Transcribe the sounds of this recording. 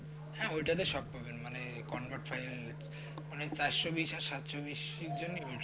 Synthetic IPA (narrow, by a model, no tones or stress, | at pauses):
hɛ̃ojʈad̪eʃɔb̚bʱɔbenmane | kɔnbaʈfʰajl | manet͡ɕajsobiʃaɾsat̪sobiʃid͡ʑonːioʈ